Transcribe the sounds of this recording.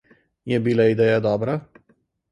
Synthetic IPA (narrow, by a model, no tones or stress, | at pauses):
jɛbilaid̪ɛːjad̪ɔːbɾa